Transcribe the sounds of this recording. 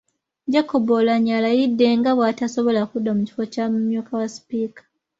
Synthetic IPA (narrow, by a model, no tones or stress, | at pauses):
ɟakʰːobolaɲalajidːe̞ŋɡaβwatasoβo̞lakudːamuci̥fo̞camumjuːkawaspiːkḁ